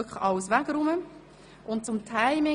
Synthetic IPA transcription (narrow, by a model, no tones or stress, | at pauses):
kχɑʊsʋæɡ̥ɾʊmə | ʔʊntt͡sʊmtʰaɪmɪ